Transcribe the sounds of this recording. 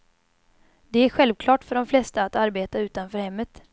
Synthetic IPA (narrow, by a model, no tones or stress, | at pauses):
d̪ɛæɾɧɛlvkʰlɑːʈfœɖɔmflɛst̪aːt̪aɾbeːt̪aʉ̟ːt̪anfœːɾhɛmːət̪